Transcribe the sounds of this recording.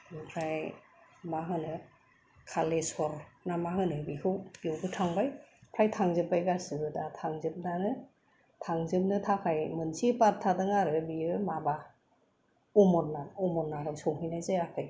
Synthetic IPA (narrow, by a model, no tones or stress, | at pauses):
pʰɾaj | maɦɯnɯ | kʰalesɔɾnamaɦɯnɯbihʰɯwbiɯwɡɯtʰaŋbajpʰɾajtʰaŋzɯp̚ːajɡasɯɯdatʰaŋzɯp̚nanɯ | tʰaŋzɯp̚nɯtʰakʰajmɯnsipat̚tʰadɯŋaɾɯbiɯmaba | ɔmɔnːaɔmɔnːaɾɔsɔwɦɯjnajzeakʰaj